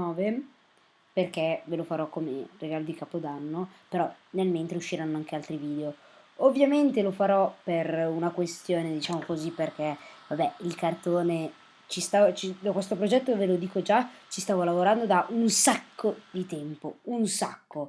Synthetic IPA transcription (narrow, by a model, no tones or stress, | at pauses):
ɔːve | perkɛvelofaɾɔkːomḛreɡaːlod̪ikaːpod̪anːopeɾɔnelment̪ɾeuʃːiɾanːoaŋk̟ealt̪ɾiviːd̪eo | ovːjament̪elofaɾɔperunakwest̪joːned̪it͡ʃaːmokozipːerk̟ɛvabɛilkart̪oːne | t͡ʃist̪at͡ʃid̪akwest̪opɾod͡ʒɛt̪ːovelod̪iːkod͡ʒat͡ʃist̪aːvolavoɾand̪od̪aʔunsakʰːod̪it̪ɛmpounsakːo